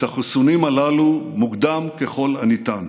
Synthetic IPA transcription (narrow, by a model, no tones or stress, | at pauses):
t̪aχusunimalalumukd̪amkeχo̞lanit̪an